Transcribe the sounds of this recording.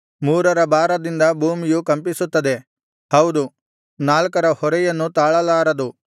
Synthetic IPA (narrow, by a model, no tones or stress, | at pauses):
muːɾɐɾɐbaːɾɐd̪ind̪ɐbʱuːmijukɐmpisut̪ːɐd̪e̞ | hɐwd̪u | naːlkɐɾɐhɔɾɛjɐnːut̪aːɭɐlaːɾɐd̪u